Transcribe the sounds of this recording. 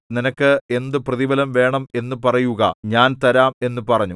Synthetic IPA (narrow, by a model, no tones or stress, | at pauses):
ninɐkːɨe̞nd̪ɨprɐðibɐlɐmʋe̞ːɳɐme̞nːɨpɐrɐjuɣɐ̰ɲaːnt̪ɐɾaːme̞nːɨpɐrɐɲːu